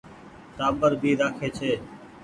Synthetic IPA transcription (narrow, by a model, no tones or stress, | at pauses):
t̪aːbəɾbʱiːɾaːkʰeːt͡ʃʰeː